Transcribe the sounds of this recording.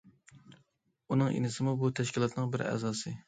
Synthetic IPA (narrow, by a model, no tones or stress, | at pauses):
unɨŋḛnɪsɪmubut̪ʰɛʃkʲilˠɑt̪nɨŋbɪɾæ̰zɑːsɨ